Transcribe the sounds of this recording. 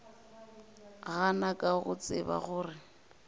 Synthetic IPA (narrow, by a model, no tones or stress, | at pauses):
ɣanakʼaɣʊt͡sʼɪba̰ɣʊːrɪ